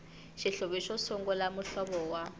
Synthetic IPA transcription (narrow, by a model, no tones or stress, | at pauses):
ʃiɬoβiʃɔsɔŋɡɔlamuɬɔɓɔwa